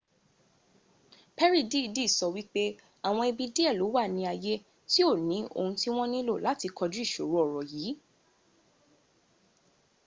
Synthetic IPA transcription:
pɛ˦ɾi˦˨di˦˧˨di˦˨sɔ˧wi˦k͡pe˦ | a˨w̃ɔ̃˧i˧bi˧di˦ɛ˦˨lo˨˦wa˦˨nĩ˧a˨je˦ | ti˦o˦˨nĩ˨˦o̰˧˨hũ˧ti˦w̃ɔ̃˦nĩ˦lo˦˨la˨˦ti˧kɔ˧d͡ʒu˦i˦˨ʃo̰˨˦ɾo˨˦ɔ˨ɾɔ˨jiː˨˦

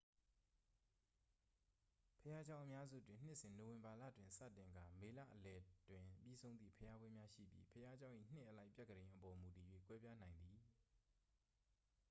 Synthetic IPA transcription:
pʰəja˦d͡ʑã˦ʊ̃ʔəmja˦zṵ˦˨dwɪ̃˨n̥ɪ˦ʔsɪ̃˨no˨wɪ̃˨mba˨lä̰˦˨dwɪ̃˨nsä̰˦˨tɪ̃˨ŋɡa˨me˨lä̰˦˨ʔəlɛ˨dwɪ̃˨pjḭ˦˨sʰõ˦ʊ̃nd̪ðḭ˦˨pʰəja˦bwɪ̃˦mja˦ʃḭ˦˨pjḭ˦pʰəja˦d͡ʑã˦ʊ̃ʔḭ˦˨n̥nɪ˦ʔəla˦ɪpjɛ˦˨kʰːəɾẽ˨ɪ̃ʔəpɔ˨mu˨ti˨jwḛ˦˨kwɛ˦bja˦n̥ã˨ɪ̃nd̪ði˨

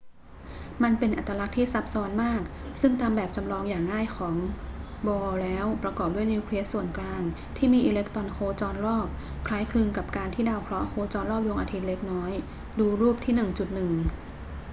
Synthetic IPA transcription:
ma˧npe˧nʔa˨˩t̪ːɾa˧la˦˥k̚t̪ʰiː˥˩sa˦˥p̚sɔː˦˥nmaː˥˩k̚sɯ˥˩ŋt̪aː˧mbɛː˨˩p̚t͡ɕa˧mlɔː˧ŋjaː˨˩ŋːaː˥˩jkʰɔː˩˦ŋ | bɔː˧lɛː˦˥wpɾa˧kɔː˨˩p̚du˥˩jniː˧kʰli˧˥əsu˨˩ənklaː˧ŋ | t̪ʰiː˥˩miː˧ʔiː˧le˦˥k̚t̪ɾɔ˧nkʰoː˧t͡ɕɔː˧nɾɔː˥˩p̚ | kʰlaː˦˥jkʰlɯ˧ŋka˨˩p̚kaː˧nt̪ʰiː˥˩daː˧wkʰɾɔ˦˥ʔkʰoː˧t͡ɕɔː˧nɾɔː˥˩p̚jo˧ŋʔaː˧t̪ʰi˦˥t̪̚le˦˥k̚nɔː˦˥j | duː˧ɾuː˥˩p̚t̪ʰiː˥˩nɯ˨˩ŋt͡ɕu˨˩t̪̚nɯ˨˩ŋ

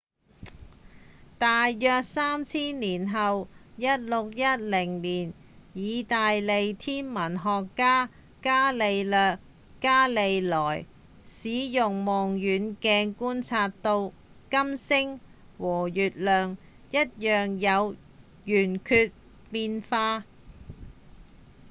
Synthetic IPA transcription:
t̪aː˨jːœː˧k̚saː˥mt͡sʰiː˥nliː˨˩nɦɐ˨wjɐ˥t̚lʊ˨k̚jɐ˥t̚lɪ˨˩ŋliː˨˩n | jiː˨˧t̪aː˨jle˨˧jt̪ʰiː˥nmɐ˨˩nɦɔː˨kːaː˥ | kaː˥le˨˧jlœː˨˧kː | aː˥le˨˧jlɔː˨˩j | siː˨˥jʊ˨ŋmɔː˨˩ŋjyː˨˥nkɛː˧ŋkuː˥nt͡sʰaː˧tt̪o˧w | kɐ˥msɪ˥ŋ | wɔː˨˩jyː˨t̚lœː˨ŋ | jɐ˥t̚jœː˨ŋjɐ˨˧w | jyː˨˩nkʰyː˧t̚ | piː˧nfaː˧

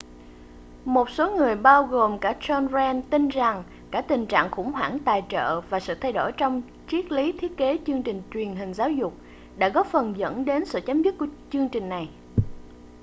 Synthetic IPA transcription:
mo˨˩t̚so˨˦ŋɨ˨˩əjɓaː˧wɣo˨˩mkaː˧˩t͡ɕɔ˧nzɛ˧nt̪i˧nza˨˩ŋ | kaː˧˩t̪ï˨˩ŋ̟t͡ɕa̰ː˧˨ŋkʊ̰˧˥ŋ͡mɦwa̰ː˧˩ŋt̪aː˨˩jt͡ɕə̰ː˧˨vaː˨˩sɨ̰˧˨t̪ʰa˧jɗo˧˩jt͡ɕɔ˧wŋ͡m | t͡ɕi˦˥ət̚li˨˦t̪ʰi˦˥ət̚ke˨˦t͡ɕɨ˧əŋt͡ɕï˨˩ŋ̟t͡ɕwi˨˩ənɦï˨˩ŋ̟zaː˨˦wzʊ˨˩k͡p̚ | ɗa̰ː˧˥ɣɔ˨˦˥fə˨˩nzə̰˧˥nɗe˨˦nsɨ̰˧˨t͡ɕaː˨˦mzə˦˥t̚ku˧˩t͡ɕɨ˧əŋt͡ɕï˨˩ŋ̟na˨˩j

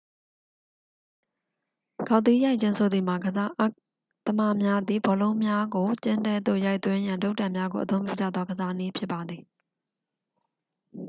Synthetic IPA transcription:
ɡ̥a˨ʊt̪ːi˦ja˦ɪʔt͡ɕʰɪ̃˦nsʰo˨d̪ði˨ma˨ɡəza˦ʔ | t̪əma˦˨mja˦d̪ði˨bɔ˨lõ˦ʊ̃mja˦ɡo˨t͡ɕɪ̃˦ndɛ˦d̪o̰˦˨ja˦ɪʔt̪wɪ̃˦jã˨ndo˦ʊʔtã˨mja˦ɡo̰˨ʔət̪õ˦ʊ̃mpjṵ˦˨d͡ʑa̰˦˨d̪ðɔ˦ɡəza˦ni˦pʰjɪ˦pːa˨d̪ði˨

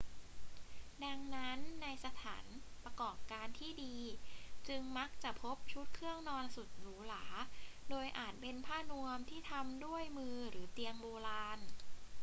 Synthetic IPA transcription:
da˧ŋna˦˥nːa˧jsa˧t̪ʰa̰ː˩˦npɾa˧kɔː˨˩p̚kaː˧nt̪ʰiː˥˩diː˧t͡ɕɯ˧ŋma˦˥k̚t͡ɕa˨˩ʔpʰo˦˥p̚t͡ɕʰu˦˥t̪̚kʰɯ˥˩əŋnɔː˧nsu˨˩t̪̚ɾɯː˩˦laː˩˦doː˧jʔaː˨˩t̪̚pe˧npʰaː˥˩nu˧əmt̪ʰiː˥˩t̪ʰa˧mdu˥˩əjmɯː˧ɾɯː˩˦t̪i˧əŋboː˧laː˧n

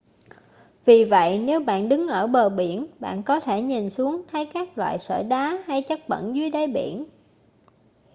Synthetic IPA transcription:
vi˨˩və̰˧˨jne˨˦wɓa̰ː˧˨nɗɨ˨˦ŋʔəː˧˩ɓəː˨˩ɓi˧˩ənɓa̰ː˧˨nkɔ˨˦t̪ʰe˧˩ɲi˨˩nsu˨˦əŋt̪ʰə˨˦jkaː˦˥k̚lwa̰ː˧˨jsə̰ː˧˩ɗaː˨˦ha˧jt͡ɕə˦˥t̚ɓə̰˧˨nzwi˨˦əjɗə˨˦jɓḭ˧˩ən

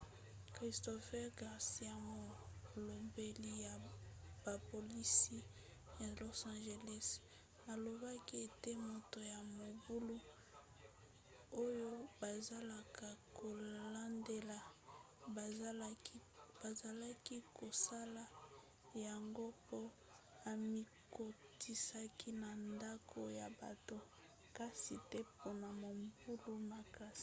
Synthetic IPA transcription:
kʁi˨sto˨fɛ˦ʁɡa˨ʁsi˦a˨mɔ˦˨lo˨mbe˦li˦ja˨b̥a˨po˨li˦si˦ | ja˨lo˦sã˨nʒe˨lɛ˦s | na˨lo˨ba˦ki˦e˨te˦mo˨to˨ja˨mo˨bu˦lu˦ | o˦jo˦ba˨za˦la˨ka˨ko˨la˦nde˦la˨ | bba˨za˨la˦ki˦ko˨sa˦la˨ | ja˨ŋɡo˦po˦ | a˨mi˦ | ko˨ti˦sa˦ki˦na˨nda˦kʰo˨ja˨ba̰˨to˨ | ka˦si˨tɛ˦po˦na˨mo˨mbu˦lu˦ma˨ka˦si˦

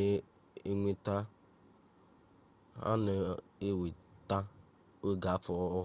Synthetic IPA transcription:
e˦ŋʷi˦ta˦ | a̰˦nɪ˨e˦we˨ta˦ | we˦ɡa˨˦fʊ˨˦

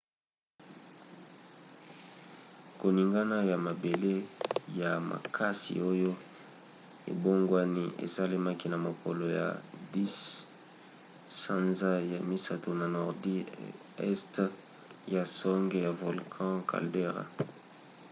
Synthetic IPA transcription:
ko˨ni˨ŋɡa˦na˦ja˨ma˨be˨le˦ja˨ma̰˨kʰa˦sḭ˨o˦jo˦ | ḛ˨bo˦ŋɡwa˦ni˦ʔḛ˨sa˦le˦ma˦ki˦na˨mo˨ko˨lo˨ja̰˨di˦s | sã˦nza˦ja˨mi˦sa˦to˨na˨nɔ˨ʁdi˦ | ɛ̰˦st | ja˨sɔ˦ŋɡe˦ja˨vo˨lkʰɑ̃˦kʰa̰˨lde˦ʁa̰˨

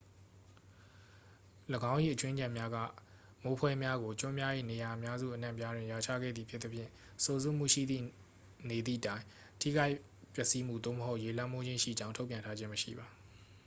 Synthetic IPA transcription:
ləɡã˦ʊ̃ʔḭ˦˨ʔət͡ɕwɪ̃˦ɲd͡ʑã˨mja˦ɡä̰˦˨ | mo˦pʰwɛ˦mja˦ɡo˨t͡ɕʊ̃˦mja˦jḛ˦˨ne˨ja˨ʔəmja˦zṵ˦˨ʔənã̰˦˨pja˦dwɪ̃˨ja˨t͡ɕʰa̰˦˨ɡɛ̰˦˨d̪ði˨pʰjɪ˦t̪ːə˦pʰjɪ̰̃˦˨ | so˨zṵ˦˨m̥ṵ˦˨ʃḭ˦˨d̪ðḭ˦˨ | ne˨d̪ðḭ˦˨tã˦ɪ̃ | tʰḭ˦˨ɡa˦ɪ | pjɛ˦ʔsi˦m̥ṵ˦˨d̪o̰˦˨məɦo˦ʊʔje˨l̥ã˦mo˦d͡ʑɪ̃˦ʃḭ˦˨d͡ʑã˦ʊ̃tʰo˦pjã˨ntʰa˦d͡ʑɪ̃˦məʃḭ˦˨ba˨

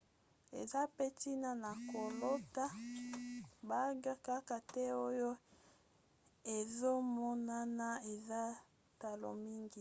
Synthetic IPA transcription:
ḛ˨za˦pe˦ti˦na˦na˨ko˨lo˦ta˦ | ba˦ɡa˦ka˦ka˨tɛ˦o˦jo˦ | e˨zo˦mɔ˦na˦na˦e˨za˦ | ta˨lo̰˨mi˦ŋɡi˨

